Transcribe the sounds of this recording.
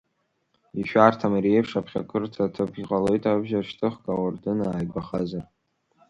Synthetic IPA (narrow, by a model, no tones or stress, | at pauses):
iʃᶣartʰamirejpʰʂapʰχʲa̰kʷʰɨrtʰatʰɨpʰiʁʼalo̞jtʼabʒaʂtʰɨχkʼawardɨnaaːjbʷaχazar